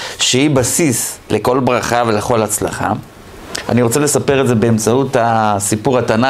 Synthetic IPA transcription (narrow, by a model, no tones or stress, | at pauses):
ʃehibasisle̞ko̞lbʁaχave̞leχo̞lhat͡sla̰χa̰ | a̰niʁo̞t͡sele̞sape̞ʁeze̞be̞ːmt͡sautasipuʁatana